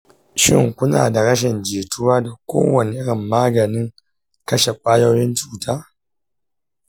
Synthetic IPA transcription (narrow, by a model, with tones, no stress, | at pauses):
ʃɪ̰˦˨ŋkʷʊ˦na̰ː˨da˨ɽɐ˦ʃ̬ɪ˨nd͡ʒeː˨tʰʊ˦waː˦da˨kʷo̰ː˦wɐ˨nɪ˨ʔɪ˦ɽɪ˨mːaː˦ɡɐ˨nɪ˦ŋ | kɐ˦ʃe˨kʷʼaː˦jɐ˦jɪ˦nt͡ʃuː˨tʰaː˦